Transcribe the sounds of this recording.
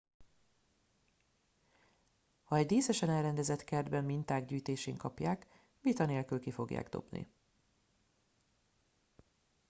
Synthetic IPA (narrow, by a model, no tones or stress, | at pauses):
hɒɛɟd̪eːsɛʃɛnɛlrɛnd̪ɛzɛt̪kɛrd̪bɛmmint̪aːɡɟyːjt̪eːʃeːŋkɒpjaːk | vit̪ɒneːlkylkifo̞ɡja̰ːɡd̪o̞̰bnḭ